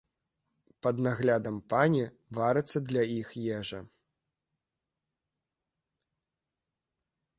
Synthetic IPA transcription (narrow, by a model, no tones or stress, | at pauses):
pɐd̪naɣlʲad̪ɐmpanʲi | vaɾɨt̪sːɐd̪lʲaixjɛʐɐ